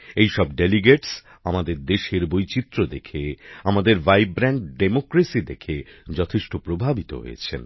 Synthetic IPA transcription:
ejʃɔbɖeliɡeʈs | amad̪eɾd̪eʃeɾbojt͡ɕit̪ːɾod̪ekʰeamad̪eɾvajbɾɛɳʈɖemokɾesid̪ekʰed͡ʑɔt̪ʰeʃʈopɾobʱabit̪o̰ɦo̰jḛt͡ɕʰḛn

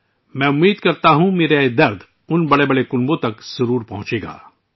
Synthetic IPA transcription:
mɛ̃ːʊmːiːd̪kɐɾt̪aɦũmeːɾed̪ɐɾd̪ | ʊnbɐɽebɐɽekʊnbõt̪ɐkz̥ɐɾuːɾpɐɦʊ̃t͡ʃeːɡa̰ː

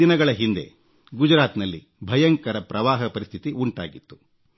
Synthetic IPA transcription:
inɐɡɐɭɐɦind̪e̞̰ | ɡud͡ʒɾaːt̪nɐlːḭ | bʱɐjɐŋkɐɾɐpɾɐʋaːɦɐpɐɾist̪ʰit̪iʔuɳʈa̰ːɡit̪ːu̥

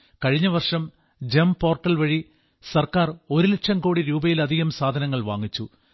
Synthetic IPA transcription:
kɐɻiɲːɐʋɐrʂɐm | d͡ʑempo̞ːrʈːɐlʋɐɻi | sɐrkaːro̞ɾuleʈʂɐmkoːɽiɾuːbɐjilɐd̪ʱiɣɐmsaːd̪ʱɐnɐŋːɐɭʋa̰ːŋːit͡ɕːu

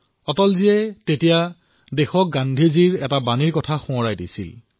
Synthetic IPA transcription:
ɔtɔlziɛtetija | dexɔk̚ɡandʱiziɹɛtabaniɹkɔtʰaxũɔɹajdisḭl

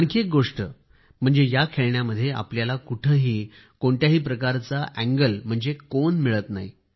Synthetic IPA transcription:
aɳkiek̚ɡoʂʈə | m̤əɳd͡zejakʰeɭɳjaməd̪ʱːjeʔa̰pljalakuʈʰəɦiː | koɳt̪jaɦiːpɾəkaɾt͡saʔæŋɡəlm̤əɳd͡zekonmiɭət̪naɦḭ

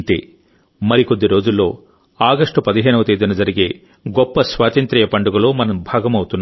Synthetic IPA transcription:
t̪ḛː | mɐɾikod̪ːiɾo̞ːd͡ʒulːo̞̰ː | aːɡɐʂʈupɐd̪iɦeːnɐʋɐt̪iːd̪inɐd͡ʒɐɾiɡeː | ɡɔpːɐsʋaːt̪ɐnt̪ɾiːjɐpɐɳɖuɡɐlo̞ːmɐnɐmbʱaːɡɐmɐwut̪unː

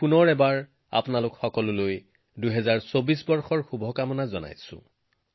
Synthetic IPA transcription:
punɔɹɛbaɹ | a̰pʊnalʊkxɔkɔlʊloj | dujɦɛzaɹsobisbɔɹxɔɹxubʱɔkamɔnazɔna̰jsʊ̰̃

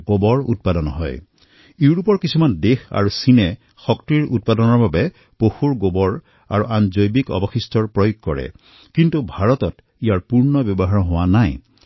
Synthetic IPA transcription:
ɡobɔɹṵt̚padɔnɔɦɔ̰j | iɹupɔɹkisumandexa̰ɹusinɛ | xɔktɹiɹʔut̚padɔnɔɹbabɛ | poxuɹɡobɔɹ | a̰ɹuʔanzojbikɔ̰bɔxistɔɹpɹɔjuɡ̚kɔɹɛ̰ | kintubʱaɹɔtɔt | ijaɹpuɹnɔbjɔbɔɦaɹɔɦowanaj

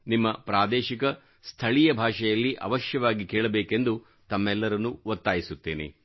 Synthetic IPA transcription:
nimːɐpɾaːd̪ɛːʃikɐ | st̪ʰɐɭijɐbʱaːʂɐjɐlːiʔɐ̰ʋɐʃjɐʋaːɡikeːɭɐbeːkend̪u | t̪ɐmːɛlːɐɾɐnːuʋɐt̪ːaːjisut̪ːeːnḛ

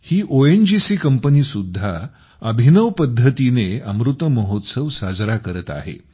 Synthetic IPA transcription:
hiːʔoend͡ʑisiːkəmpəniːsud̪ʱːa | əbʱinəʋpəd̪ʱːət̪ineəmɾut̪əməɦot̪səʋsad͡zɾakəɾət̪a̰ɦḛ

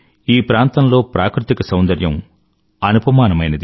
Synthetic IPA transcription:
iːpɾaːnt̪ɐnlo̞ːpɾaːkɾut̪ikɐsɐwnd̪ɐɾjɐm | ɐnupɐmaːnɐmɐjnɐd̪

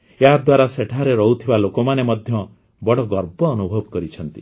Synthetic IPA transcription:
eɦad̪waɾaseʈʰaɾeɾɔɦut̪ʰibalokɔmanemɔd̪ʱjɔ | bɔɽɔɡɔɾbɔːnubʱɔbɔkɔɾit͡ʃʰɔnt̪i

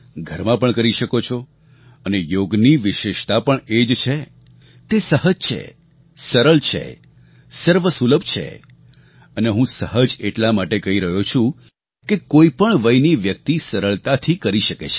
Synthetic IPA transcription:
ɡʱəɾmãpəɳkəɾiʃəkot͡ʃʰɔ | ənejoɡniʋɪʃeʃt̪apəɳed͡ʒt͡ʃʰe | t̪esəɦəd͡ʒt͡ʃʰḛ | səɾəɭt͡ʃʰḛ | səɾʋəsuləbt͡ʃʰḛ | əneɦũsəɦəd͡ʒeʈlamaʈekəɦiɾəɦot͡ʃʰũ | kekoipəɳʋəjniʋjək̚t̪isəɾəɭt̪at̪ʰikəɾiʃəkḛt͡ʃʰe̥

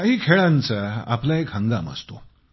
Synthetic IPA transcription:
kaɦiːkʰeɭãnt͡səa̰plaekɦə̃ŋɡd̪a̰mə̰st̪o

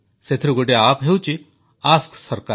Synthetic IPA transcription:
set̪ʰɾuɡoɖeaːpɦeut͡ʃi | aːsksɐɾka

